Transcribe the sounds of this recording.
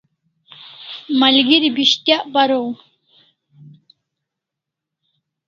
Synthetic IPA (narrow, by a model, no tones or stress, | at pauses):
malɡiɾibiɕt̪jaʔbaɾow